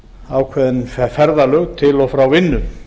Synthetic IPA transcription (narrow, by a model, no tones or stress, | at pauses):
aːwkʰvɛðɪnfɛfɛɾðalœɣt̪ʰɪlɔfɾawvɪnːʏm